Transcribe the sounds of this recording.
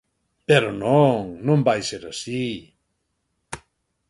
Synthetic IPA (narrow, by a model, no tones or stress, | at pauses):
peɾonoŋnõmbajseɾasi